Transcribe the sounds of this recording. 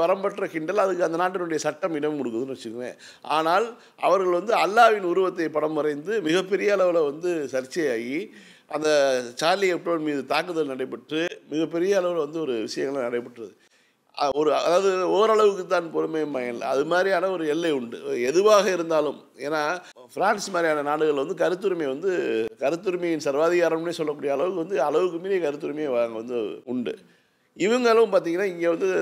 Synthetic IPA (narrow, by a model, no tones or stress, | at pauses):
pɐɾɐmbɐʈːrɐkɪɳɖɐlɐðɯkːɯɐnd̪ɐnaːʈːɪnɯɽɐjɐsɐʈːɐmɪɽɐmkʊɽɯk̬ːɯðɯnːɯʋɐt͡ʃːɯkːɯnḛː | ʔaːnaːl | ɐ̰ʋɐɾɣɐɭʋɐnd̪ɯɐlːaːʋɪnʊɾʊʋɐt̪ːɐɪpɐɽɐmːɯɾɐɪnd̪ɯmɪɣɐpːɛɾɪjɐːɭɐʋɯlɐʋɐnd̪ɯsɐɾt͡ʃːɐjaːɣi | ɐnd̪ɐt͡ʃaːliɛpːoːɐnmiːðɯt̪aːkːɯðɐlnɐɽɐɪpːɐʈrɯmɪɣɐpːɛɾɪjɐːɭɐʋɯlɐʋɐnd̪ɯɔɾɯʋɪʂɐjɐŋɡɐɭlnɐɽɐɪpːɐʈːrɐðɯ | ɔɾɯɐ̰ðaːʋɐðɯɔːɾɐɭɐʋɯkːɯt̪̬ːãːnpɔɾɯmɐjɐbɐjɐnlɐ̰ɐðɯmaːd̪ɾijaːnɐɔɾɯɛlːɐɪʊɳɖɯɛðɯʋaːɣɐɪɾɯnd̪aːlɯm | eːnːaː | fɪɾaːnsmaːd̪ɾijaːnɐnaːɽɯɣɐɭʋɐnd̪ɯkɐɾɯt̪ːɯɾɯmeːʋɐnd̪ɯkɐɾɯt̪ːɯɾɯmɐjɪnsɐɾʋaːðɪɣaːɾɐnɯmnːeːsɔlːɐkːuːɽɪjɐːɭɐʋɯkːɯʋɐnd̪ɯɐɭɐʋɯk̬ːɯmiːɾɪjɐkɐɾɯt̪ːɯɾɯmeʋaːŋɡɐʋɐnd̪ɯʊɳɖɯ̰ | ɪʋɐŋɡɐɭɯmpaːɾt̪iːŋɡɐnːaːɪŋɡeːʋɐnd̪ɯ